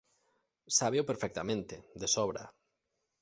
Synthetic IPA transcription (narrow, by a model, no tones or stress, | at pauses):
saβewpeɾfɛk̚t̪amẽnt̪ed̪esɔβɾa̰